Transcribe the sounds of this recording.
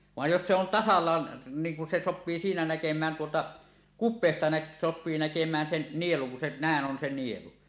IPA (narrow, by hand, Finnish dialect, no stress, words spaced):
ʋɑˑej jos se on tɑsɑlːɑːn niːŋ kun se sopːiː siːnæ nækemˑæːn tuotɑ kupˑeːstɑ næk sopˑiː nækemˑæːn sen nieluŋ kun se næˑeʔ ʔon se nielu